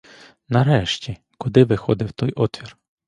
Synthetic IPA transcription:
nɐɾɛʃtʲi | kʊd̪ɪʋɪxɔd̪ɪwt̪ɔjʔɔt̪ʋʲir

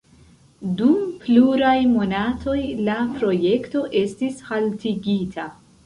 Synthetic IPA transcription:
dumpluɾajmo̞natʰo̞jlapɾo̞je̞kto̞ʔe̞stishaltiɡitʰa

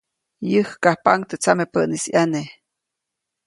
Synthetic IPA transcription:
jəhkahpaŋt̪ət͡samepəʔnisjane

